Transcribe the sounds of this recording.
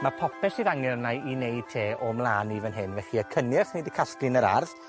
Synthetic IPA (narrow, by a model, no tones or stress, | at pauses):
mapʰɔpʰɛsiðaŋɛrnajinejd̥̚tʰeːʔɔmlˠaːnivənɦɪnvɛɬiəkʰənjɪχnidikʰasklɨnəɾa̰rð